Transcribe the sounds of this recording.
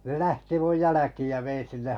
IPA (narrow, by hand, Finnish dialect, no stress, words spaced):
ne læhti muj jælækiːj jɑ ʋein̞ sinːeh